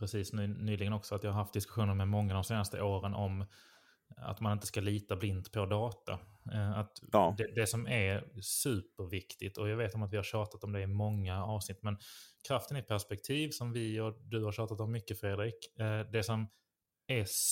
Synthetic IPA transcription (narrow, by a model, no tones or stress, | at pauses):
pɾɛsiːsnʉːnyːlɪɡənɔksɔat̪jɑːhaɾɦaft̪d̪ɪskɵɧuːnəɾmɛmɔŋːad̪ɔmseːnast̪ə̰ʔoːɾənʔɔm | a̰t̪manɪnt̪ə̥skaliːt̪ablɪnd̪pʰɔd̪ɑːt̪a̰at̪d̪ɛd̪ɛsɔmæɾsʉ̟ːpəɾvɪkt̪ɪt̪ɔjɑːɡveːt̪ɔmat̪vɪhaɾɕɑːt̪at̪ɔmd̪ɛmɔŋːaɑːvsnɪt̪ːmɛnkʰɾaft̪ənɪpʰæʂpɛk̚t̪ʰiːvsɔmvɪɔd̪ɵhaɾɕɑːt̪at̪ɔmːʏkːəfɾeːd̪ɾiːkd̪ɛsɔm | æ